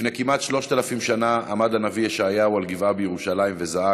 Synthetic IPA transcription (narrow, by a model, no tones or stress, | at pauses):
nekimʔat̪ʃlo̞ʃt̪alafimʃanaamad̪anaviaʃeajaualɡivabejeʁuʃalajimve̞zaa